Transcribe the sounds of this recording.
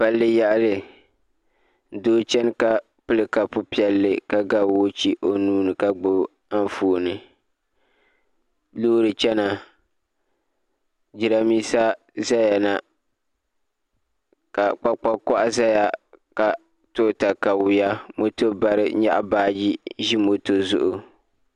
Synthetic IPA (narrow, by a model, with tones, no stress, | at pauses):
pa˦lːɨ˦ja˦ʔlɨ˨ | doː˦t͡ʃɛ˦n˦ka˦ | pɨ˦lɨ˨ka˨pʊ˦pi˦ɛ˨lːɨ˦ka˦ɡa˦˨wo˦t͡ʃi˦ʔo˦nuː˦nɨ˨ka˦˨ɡ͡bʊ˦b | a˦n˦foː˨nɨ˨ | loː˦ɾɨ˨t͡ʃɛ˦na˨ | d͡ʒi˨ɾa˦miː˦sa˦ | za˦ja˨na˨ | ka˨k͡pa˦k͡pa˦kɔ˦ʔa˦za˦ja˨ka˨ | to˦ta˨ka˨wʊ˨ja˦mo˦to˦ba˨ɾɨ˦ɲa̰˦ʔa̰˦˨baː˦d͡ʒi˦ʒi˦mo˨to˦zʊ̰˦ʔʊ˦